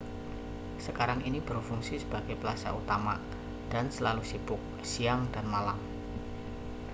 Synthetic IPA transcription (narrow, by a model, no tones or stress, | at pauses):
səkaɾaŋinib̥əɾfuŋsisə̥b̥aɡ̥ajpəlasa̰ʔut̪ama | d̥ansəlalusib̥ʊk̚ | siaŋda̤nmalam